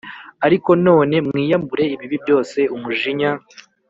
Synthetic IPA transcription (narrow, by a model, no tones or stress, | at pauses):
aɾiko̞no̞ːne̞mŋiːjambuɾe̞iβiβibjo̞ːse̞umuʒiɲa